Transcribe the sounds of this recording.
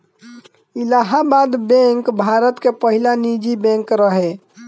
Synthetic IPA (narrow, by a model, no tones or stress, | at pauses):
ilaɦabad̪bẽŋkbʱaɾət̪kepəɦilanid͡ʒibẽŋkɾəɦe